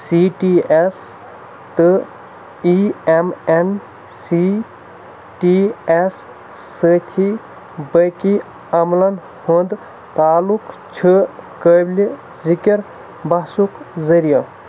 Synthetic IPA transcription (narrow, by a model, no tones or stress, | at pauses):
siʈies | t̪ɨ | iemen | si | ʈiesː | ət̪ʰi | bəki | ɐmlɐn | hõnd̪ | t̪aːluk | t͡ʃʰəkəbli | zikiɾ | bɐɦsukzəɾija